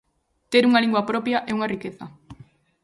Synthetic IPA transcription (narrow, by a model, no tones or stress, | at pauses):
t̪eɾuŋaliŋɡwapɾɔpjaʔɛuŋarikeθɐ